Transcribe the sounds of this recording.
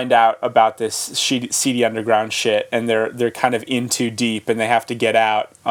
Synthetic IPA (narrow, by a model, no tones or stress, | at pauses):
ɪ̃ndaʊɾəbaʊt̪̚ðɪsʃisiɾiʌ̃ndə˞ɡɹãʊ̃nd̥ʃɪɾɨ̃nðə˞ðə˞kʰãɪ̃ndʌvɪ̃ntʰʉdipɨ̃nðeɪhæftɨɡɛɾaʊt̚